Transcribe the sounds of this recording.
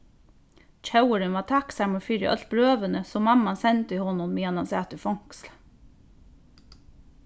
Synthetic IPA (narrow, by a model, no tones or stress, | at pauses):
c͡çɑʉəɾənʋɑːt̪ʰɑksæməfyːɾə̰ʔœ̰lt̪̚bɾøːʋənəsɔmɑmɑnsɛnt̪əiːhɔnʊnmiːɑnɑnsæːt̪əfɔŋksl